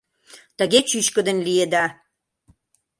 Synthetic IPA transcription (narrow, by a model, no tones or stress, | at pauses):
t̪əɣet͡ɕyʃkə̆d̪ə̆nlied̪ɑ